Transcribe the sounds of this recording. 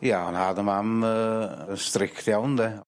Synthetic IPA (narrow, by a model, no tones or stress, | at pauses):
jaɔnhadəmaməənstɾɪktjawndɛ